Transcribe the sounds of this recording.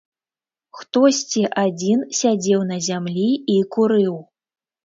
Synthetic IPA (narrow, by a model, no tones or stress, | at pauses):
xt̪ɔsʲt͡sʲiʔad͡zʲinsʲad͡zʲɛwnɐzʲamlʲiikuɾɨw